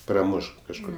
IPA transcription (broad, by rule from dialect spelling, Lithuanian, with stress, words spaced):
prɐˈmʊʃ kɐʃˈkʊr